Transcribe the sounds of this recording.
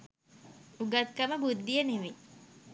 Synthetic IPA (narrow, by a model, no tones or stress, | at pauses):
uɡat̪̚kəməbud̪ːijəneʋe